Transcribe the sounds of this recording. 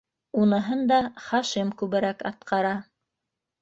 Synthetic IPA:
unɤ̆ɦɤnd̪ɑχɑʃimkʉβɘ̆ɾækɑ̰t̪̚qʰɑɾɑ

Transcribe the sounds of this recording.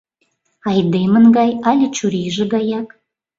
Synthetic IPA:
ɑjd̪emənɡɑjɑlʲet͡ɕuɾiʒĕɡɑjɑk

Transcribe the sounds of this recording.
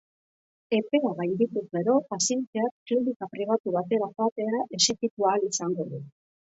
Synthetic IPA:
e̞pe̞aβajnd̪it̪uzɣe̞ɾo̞pasie̞nt̪eakklinikapɾiβ̞at̪uβ̞at̪e̞ɾaxoat̪e̞aʔe̞se̞kit̪ualisaŋɡo̞ðu

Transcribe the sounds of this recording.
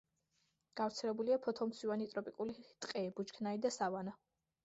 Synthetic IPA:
ɡ̥afɾt̪sʰɛlɛbuliapʰɔt̪ʰɔmt̪sʰivanit̪ʼɾɔpʼikʼulit̪ʼqʼɛbut͡ʃkʰnaid̪asavana

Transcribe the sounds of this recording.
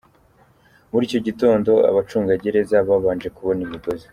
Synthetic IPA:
muɾiːco̞ɟito̞ːndo̞a̰βat͡ʃuːŋɡaɟe̞ɾe̞zaβaβaːnd͡ʒe̞kuβo̞nimiɡo̞ze

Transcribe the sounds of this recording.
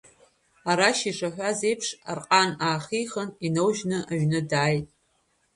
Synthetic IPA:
aɾaʃiʂaħʷᶣaze̞jpʰʂa̰rqʼanaːχiχəninowʒnɨʔaʒᶣnɨdaːjtʼ

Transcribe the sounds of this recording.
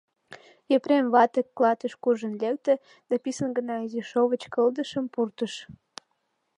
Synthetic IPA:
jepremβɑt̪əkːlɑt̪əʃkuʒənlek̚t̪ĕ | d̪̥ɑpisənɡə̆nɑiziʃoβət͡ɕkəld̪əʃəmpurt̪əʃ

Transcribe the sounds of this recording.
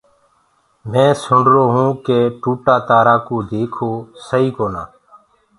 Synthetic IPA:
mẽːsʊɳɖɾoːɦũːkeːʈuːʈaːt̪aːɾaːkuːd̪eːkʰoːsəiːkoːna̰ː

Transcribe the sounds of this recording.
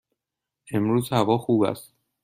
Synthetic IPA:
ʔe̞mɾuːzhævɒːxuːbæ̰st̪

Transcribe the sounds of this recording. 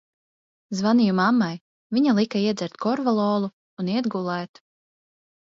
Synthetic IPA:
zvanijumamːaj | viɲalˠikaiɛd̪zʲɛɾt̪kɔɾvalˠɔːlˠuː | niɛd̪ɡulˠɛːt̪

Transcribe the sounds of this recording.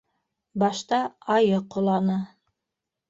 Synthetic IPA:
bɑʃt̪ɑɑjɤqŏlˠɑnɤ

